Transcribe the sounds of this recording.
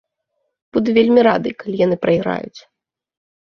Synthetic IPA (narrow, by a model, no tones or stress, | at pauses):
b̥ud̪uvʲelʲmʲiɾa̰d̪ɨjkalʲijan̪ɨpɾɐjɣɾa̰jṵt͡sʲ